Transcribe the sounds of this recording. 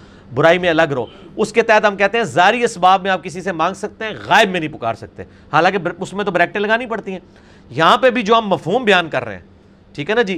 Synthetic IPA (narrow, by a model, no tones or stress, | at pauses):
bʊɾaːimẽɐləɡɾɐo̰ːʊsket̪ɛːət̪ɦɐmkɛɦt̪ẽɦɛ̃zaːɾiɐsbaːbmẽaːp̚kɪsisemãːŋɡsɐk̚t̪eɦɛ̃ɣaːɪbmẽnɐɦĩpʊka̰ːɾsɐk̚t̪eɛ̃ | haːlãːkeʊsmẽt̪̬obɾɛːk̚ʈẽlɐɡaːnĩpɐɽt̪iɦɛ̃ː | jɐɦãpebʱid͡ʒoːɦɐmːɐfɦuːmbɪjaːnkɐɾːḛeɦɛ̰̃ː | ʈʰiːkɦɛːnad͡ʒiː